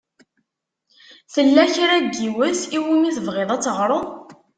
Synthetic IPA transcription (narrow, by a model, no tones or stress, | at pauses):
θəlːæçɾæɡːiwəsiwimiθəvʁeðˤæt͡sːəʁɾˤoðˤ